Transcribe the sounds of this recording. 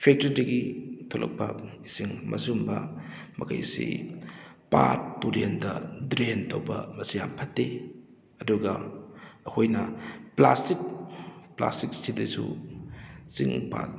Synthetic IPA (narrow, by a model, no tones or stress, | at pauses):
pʰek̚tɐɾdɐɡitʰolʔɐ̰k̚pɐisiŋmɐsumbɐ | mɐkʰɐ̰jsḭ | patːuɾendɐdɾentowbɐ̰mɐsijampʰɐtːe | ɐduɡɐɐkʰojnɐplastik̚pla̰stik̚sidɐsṵ | siŋpa̰t